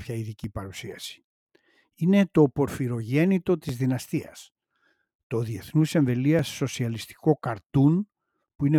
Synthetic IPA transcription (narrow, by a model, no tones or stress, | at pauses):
pçɐiðicipɐɾusiɐsi̥ | ine̞t̪o̞po̞ɾfiɾo̞ʝe̞nit̪o̞t̪izðinɐst̪iɐ̰s | t̪o̞ðie̞θnuse̞ɱve̞liɐsːo̞siɐlist̪i̥ko̞kɐɾt̪un | puine̞